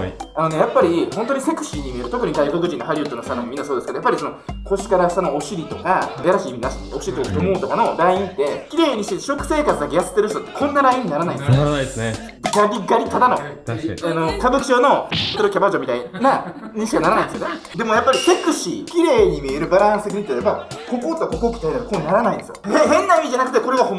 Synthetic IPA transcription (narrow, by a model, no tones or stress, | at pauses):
ano̞ne̞japːaɾʲihõ̞nt̪oɲ̟ise̞kɯ̟̥ɕiːɲ̟imʲieɾɯ̟t̪okɯ̟ɲ̟id̪aiko̞k̬ɯ̟ʑĩnːo̞ɦaɾʲɯːt̪onost̪ak̪amomĩnːasoːd̪sɨked̪ojapːaɾʲisono̞ko̞ɕi̥kaɾḁsano̞oɕiɾʲit̪o̞kajaɾaɕiːminaɕi̥oɕiɾʲit̪okat̪omoːt̪o̞kano̞d̪aĩnt̪ːe̞kʲiɾe̞ːɲ̟iɕiɕo̞kɯ̟̥se̞ːkat͡sɨd̪akejase̥t̪ːe̞ɾɯ̟ɕ̬i̥t̪ot̪ːekʰõ̞nːaɾaĩɲ̟ːinaɾanaĩd̪ess | ɡaɾʲiɡaɾʲit̪ad̪anoano̞kabɯ̟kʲi̥ʑono̞ot̪eokʲabad͡ʑomʲit̪ainaɲĩɕi̥kanaɾanaĩnd̪esɨjone | d̪e̞mo̞japːaɾʲise̞kɯ̟ɕikʲiɾe̞ːɲ̟imʲieɾɯ̟baɾãɰ̃sɨekʲiĩt̪ojaɾebako̞koːt͡sɨako̞kokʲi̥t̪aid̪at̪okoːɲinaɾanaĩnd̪esɨj̰heɦẽ̞nːaimʲiʑanakɯ̟t̪eko̞ɾeɡaho